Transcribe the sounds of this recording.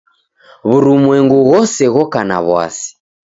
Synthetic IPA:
βuɾumwɛŋɡuɣɔsɛɣɔkana̰βwa̰si̥

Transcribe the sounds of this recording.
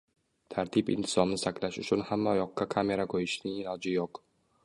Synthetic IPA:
t̪ʰaɾt̪ʰɪpɪ̰nt̪ʰɪ̥zɒmnɪsaklaʃʊt͡ʃʰʊnhamːaɒjɒqːakʰamʲeɾakʰojɪʃnɪŋɪlɒwd͡ʒɪjoq

